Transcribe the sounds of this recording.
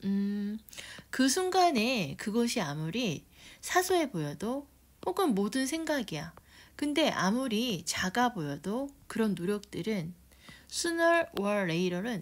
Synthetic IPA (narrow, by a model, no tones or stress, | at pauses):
ɯ | kɯsʰuŋɡane̞kɯɡʌɕʰiamuɾisʰasʰue̞bojʌdo | hoɡɯmːodɯnsʰe̞ŋɡaɡijakɯnde̞ʔamuɾit͡ɕaɡabojʌdokɯɾʌnːoɾjʌk̚t͈ɯɾɯn | sʰunʌɭwʌːeiɾʌɾɯn